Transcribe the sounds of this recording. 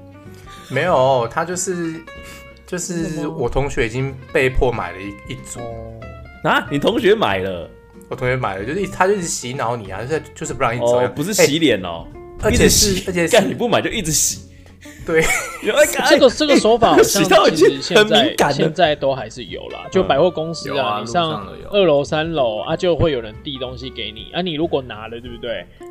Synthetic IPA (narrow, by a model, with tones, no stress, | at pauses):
me˧˥ɪjo˨˩t̪ʰa˦˥t͡ɕjo˥˧ʊʂɻ̩˥˩ | t͡ɕjo˥˧ʊʂɻ̩˥˩wɔ˨˩t̪ʰʊ˧˦ŋɕɥɛ˧˥i˨˩t͡ɕi˦ŋpe˥˧ɪpʰwɔ˥˧˩ma̰˨˩ɪlə˦˧i˥˩t͡sɔ˥˧na˧˦ni˨t̪ʰʊ˧˦˥ŋɕɥɛ˧ma̰˨˩ɪlə˦ | wɔ˨t̪ʰo˧˦ŋɕɥɛ˧˥ma̰˨˩ɪlə˦t͡ɕjo˥˧ʂ̩˥i˥t̪ʰa˥t͡ɕjo˥˧i˥˩t͡s̩˧˦ɕi˨˦nɑ˧˦ʊni˨˩a̰˨˦o˥˧t͡ɕjo˥˧ʂɻ̩˥pu˧˥˧ŋi˥˩ɔ˥˩pu˧˦ʂɻ̩˥˩ɕɕi˨˥ljɛ˨˩nɔ̰˨˩ə˧˥i˥˨˧ɕə˧˥t͡ɕʰɛ˨˧ka˥˩nni˨˩p̬u˥ma˨ɪt͡ɕjo˥˧ʊi˥˩ʈ͡ʂ̩˨˧˦ɕi˨˩˦ | t̪we˥˩ɪ˥a˥˩ka˥ʈ͡ʂə˥˩ɡə˨ʈ͡ʂə˥˩ɡə˧swɔ˧˥faa˨˩xɕɕɑ˥˨˧ŋa˥˨i˧˥˧ɕjɛ˧ə˨nami˨˧˦ŋka˨˦nɕjɛ˥˧nt͡sa˥˧ɪt̪o˥ʊxa˧˥ɪʂɻ̩˥˩jo̰˨˩ʊlɐ̰˩t͡ɕjo˥˩ʊpa˨˩ɪxwe˥˩ko˦ŋs̩˥a˨ni˨˩ɕjɑ˥˨ŋ˧˨ʔə˥˩lo˧˦˥sa˦nlo˧˦ʊa̰˦t͡ɕjo˥˧ʊxwe˥˩jo˨˩ʊə˨˦nt̪i˥˩t̪o˦ŋɕi˦ke˧˥ɪnḭ˨˩na˦ni˨˩ɻu˨˦˥kwɔ˨˩na˧˥lə˨˧t̪we˥˩bu˧˩t̪we˥˩ɪ